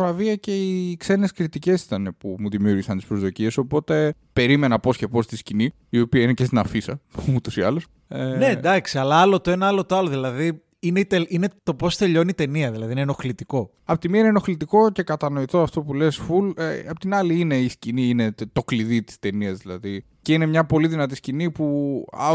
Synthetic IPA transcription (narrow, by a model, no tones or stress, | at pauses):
ɾɐviɐce̞ikse̞neskɾit̪ice̞si̥t̪ɐnepumuðimiuɾʝisɐnt̪ispɾo̞zðo̞cie̞so̞po̞t̪e̞ | pe̞ɾime̞nɐpo̞scepo̞st̪iscini | io̞piɐinecest̪inɐfisɐut̪o̞siɐlos | ened̪ɐksiɐlɐɐlo̞t̪oe̞nɐɐlot̪oɐloðilɐði | ineit̪eʔine̞t̪o̞po̞st̪e̞ʎo̞nit̪e̞niɐðilɐðineno̞xlit̪iko̞ | ɐpot̪imiɐneno̞xlit̪iko̞ce̞kɐt̪ɐno̞it̪oɐft̪o̞pule̞sfuleɐpot̪inɐliine̞isciniine̞t̪o̞kliðit̪i̥st̪e̞niɐzðilɐði | ceine̞mɲɐpo̞liðinɐt̪̬iscinipuɐ̰